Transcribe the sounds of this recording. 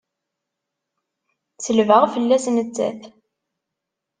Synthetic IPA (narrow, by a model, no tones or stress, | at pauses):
t͡səlvəʁfəlːæsnət͡sːæ̰θ